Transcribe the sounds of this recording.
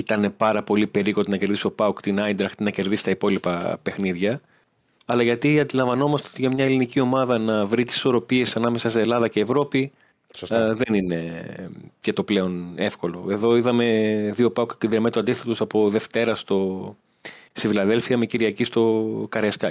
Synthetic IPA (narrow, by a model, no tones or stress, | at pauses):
it̪ɐne̞pɐɾɐpo̞lipe̞ɾiko̞t̪inɐce̞ɾðist̪opɐukt̪inɐjnd̪ɾɐxt̪inɐce̞ɾðisi̥t̪ɐipo̞lipɐpe̞xniðʝɐ | ɐlɐʝɐt̪iɐnd̪ilɐ̃ɱvɐno̞mɐst̪eot̪iʝɐmɲɐelinicio̞mɐðɐnɐvɾit̪i̥si̥so̞ɾo̞pie̞sɐnɐme̞sɐseelɐðɐce̞ːvɾo̞pi | sðenine̞ | cet̪o̞ple̞o̞nefko̞lo̞e̞ðo̞iðɐme̞ðio̞pɐukkind̪iɾmet̪uɐnd̪iθet̪usɐpo̞ðe̞ft̪e̞ɾɐst̪o̞ | st̪ifilɐðe̞lfiɐmeciɾiɐcist̪o̞kɐɾeskɐ